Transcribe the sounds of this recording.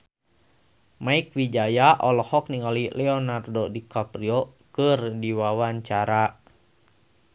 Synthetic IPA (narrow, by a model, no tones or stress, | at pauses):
maik̚wid͡ʒajaʔɔlɔhɔk̚niŋalilɛɔnardodikapɾiokɨrdiwawaɲt͡ʃaɾa